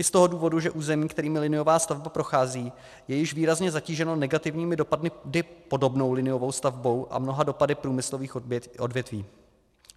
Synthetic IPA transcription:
ʔɪst̪o̞ɦo̞duːvo̞duʒɛʔuːzɛmiːkt̪ɛɾiːmɪlɪnɪjo̞vaːst̪avbapɾo̞xaːziː | jɛjɪʃviːɾazɲɛzaciːʒɛno̞nɛɡat̪ɪvɲiːmɪdopadmɪdɪpo̞do̞bno̞wlɪnɪjo̞vo̞wst̪avbo̞wʔa̰mno̞ɦado̞padɪpɾuːmɪslo̞viːxʔodvjɛt̪viː

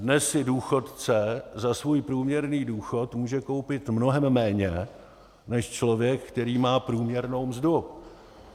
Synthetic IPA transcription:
dnɛsːɪduːxo̞t̪t͡sɛzasvuːjpɾuːmɲɛɾniːduːxo̞t̪muːʒɛko̞wpɪt̪mnoɦɛmːɛːɲɛ | nɛʃt͡ʃlo̞vjɛkkt̪ɛɾiːmaːpɾuːmɲɛɾno̞wmzdʊ

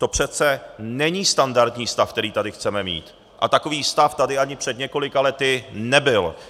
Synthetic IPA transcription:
t̪o̞pr̝̥ɛt̪t͡sɛnɛɲiːst̪andaɾt̪ɲiːst̪afkt̪ɛɾiːt̪adɪxt͡sɛmɛmḭːt̪ | ʔa̰t̪ako̞viːst̪aft̪adɪaɲɪpr̝̥ɛd̪ɲɛko̞lɪkalɛt̪ɪnɛbɪl

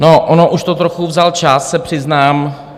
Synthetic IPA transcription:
noʔonoʔuʃt̪ot̪ɾoxuvzalt͡ʃasːɛpr̝̥ɪznaːm

